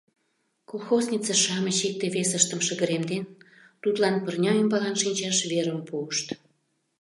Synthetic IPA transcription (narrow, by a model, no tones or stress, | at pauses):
kolˠxoznʲit͡səʃɑməɕik̚t̪eβesəʃt̪əmʃəɣə̆ɾemd̪en | t̪ut̪lɑnpərnʲɑəmbɑlɑnʃinʲt͡ɕɑʃβeɾəmpuəʃt̪